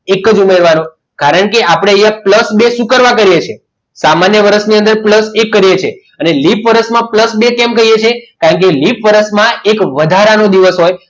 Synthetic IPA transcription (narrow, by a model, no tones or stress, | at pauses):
ekəd͡ʒumeɾʋano | kaɾəɳkeapɽ̃eəjãpləsbeʃũkəɾʋakəɾijet͡ʃʰe | samanjəʋəɾəʃniənd̪əɾpləsekːəɾijet͡ʃʰe | ənelipʋəɾəsmãpləsbekɛmkəɦijet͡ʃʰekaɾəɳk̬elipʋəɾəsmãekʋəd̪ʱaɾanod̪iʋəsɦoj